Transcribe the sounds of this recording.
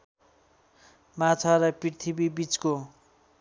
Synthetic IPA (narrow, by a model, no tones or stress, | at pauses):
matʰʌɾʌpririt̪ʰibibit͡sko